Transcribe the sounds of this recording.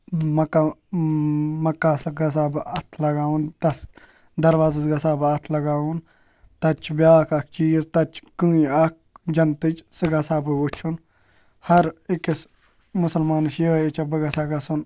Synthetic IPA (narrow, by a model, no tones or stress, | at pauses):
mɐkːa | mɐkːaːsɡɐs̬aːbɐt̪ʰlɐɡaːunt̪ɐs | d̪ɐɾʋaːzɐzɡɐsaːbɐt̪ʰlɐɡaːun | t̪ɐt͡ʃʰbjaːkɐk̚ʰt͡ʃiːzt̪ɐt͡ʃʰkɨːiɐk̚d͡ʒɐnt̪ɨt͡ʃsɨɡɐsaːbɨut͡ʃʰun | hɐɾɪkis | mʊsɐlmaːnɨʃjeit͡ʃɐbɐɡɐsaɡɐsun